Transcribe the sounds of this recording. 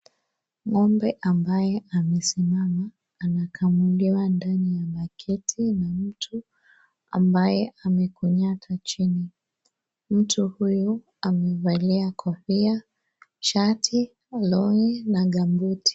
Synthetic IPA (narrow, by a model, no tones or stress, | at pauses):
ŋɔmbɛʔambajɛamɛsimamaː | nakʰamuliwandanijaɓakʰɛtʰinam̩tʰu | a̰mbajɛʔamɛkuɲatʰat͡ʃini | m̩tʰuhuju | amɛvaliakʰɔfia | ʃatʰi | lɔŋɛnaɠambutʰi̥